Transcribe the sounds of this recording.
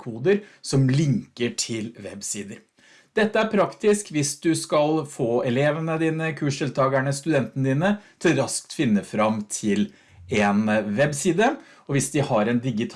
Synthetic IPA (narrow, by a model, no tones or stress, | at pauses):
kʰuːd̪əɾsɔmlɪŋkəʈʰɪlʋɛ̰bsiːd̪əɾ | d̪̥ɛt̪ːəæɾpʰɾɑkt̪ɪskʋɪsd̪ʉskɑlfoːɛleːʋənəd̪iːnəkʰʉːʂʈɪlt̪ʰɑːɡæɳəst̪ʉd̪ɛnt̪ənəd̪iːnət̪ʰɪɾɑsk̚t̪fɪnːəfɾɑmt̪ʰɪl | ɛnʋɛbsiːd̪ə | ɔʋɪsd̪ɪhɑɾɛnd̪ɪɡɪt̪ʰ